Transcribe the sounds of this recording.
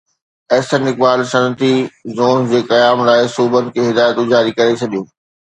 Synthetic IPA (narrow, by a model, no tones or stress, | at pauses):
ɛːsənɪk̚baːlsɐnt̪izoːnd͡ʑeːkɐjaːmlaːɪsuːbənɪ̆kʰeːɦɪd̪aːjət̪ʊd͡ʑʱaːɾikɐɾet͡ɕʰɐɗijõː